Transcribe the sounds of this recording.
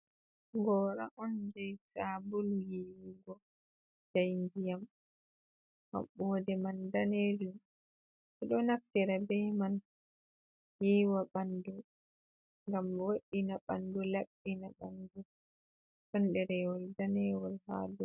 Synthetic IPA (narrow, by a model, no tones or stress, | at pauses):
ɡɔɾa̰ʔɔnd͡ʒajsabulujiwiɡɔ | d͡ʒajnɡijam | ma̰mɓɔdɛmandaned͡ʒum | sɛɗɔnaf̚tɛɾabɛman | jiːwaɓandu | ŋɡamwoɗinaɓa̰ndulaɓːinaɓandu | ɗɔnɗɛɾɛwɔldanɛwɔlha̰ːdɔ